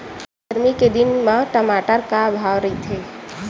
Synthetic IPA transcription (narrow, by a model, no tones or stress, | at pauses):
əɾmiked̪ɪnmãʈɐmaːʈəɾkabʱaːʋɾɐɦit̪ʰeː